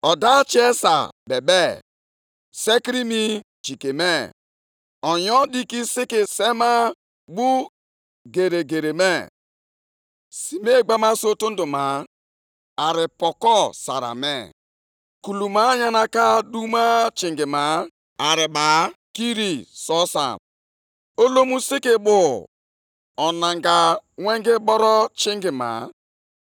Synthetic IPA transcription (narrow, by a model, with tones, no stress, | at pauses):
ɔ˨da˦t͡ʃe˦sa̰˨be˨be˦ | se˦ki˦ɾi˦mi˦ | t͡ʃi˨ke˨me˦ | ɔ˨jɔ˦di˦ki˦si˦ki˨se˦ma˦ | ɡ͡bu˦ | ɡe˨ɾe˨ɡe˨ɾe˨me˦ | si˨me˦˨ɡ͡ba˦ma˦so˦to˦n̩˦do˨ma˨˦ | a˨ɾɪ˨pɔ˨kɔ˦sa̰˨ɾa̰˨mḛ˦˨ | ku˨lu˨ma˨˦ɲa˦na˦ka˦du˦ma˦t͡ʃi˨ŋɡɪ˨ma˨˦ | a˨ɾɪ˨ba˨˦ki˦ɾi˨sɔ˦sa̰˨ | o˦lo˦mu˦si˦kɪ˦bʊ˨ | ɔ˨na˨ŋɡa˨ŋʷe˦ŋɡɪ˦bɔ˦ɾɔ˦t͡ʃi˦ŋɡɪ˨ma̰˨